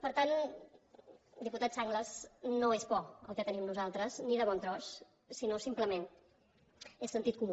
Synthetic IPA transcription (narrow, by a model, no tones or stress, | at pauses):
pəɾt̪an | d̪iput̪at̪saŋɡləznoezβɔə̰lˠkɛt̪ənimnuzalˠt̪ɾəzniðəβɔnt̪ɾɔsː | inosimpləmen | esːənt̪it̪̚kum